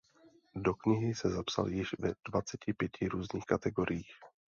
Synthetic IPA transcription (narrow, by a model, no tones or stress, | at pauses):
dokɲɪɦɪsɛzapsa̰ljɪʃvɛd̥vat͡sɛcɪpjɛcʰɪɾuːzɲiːxkat̪ɛɡo̞ɾʔɪjiːx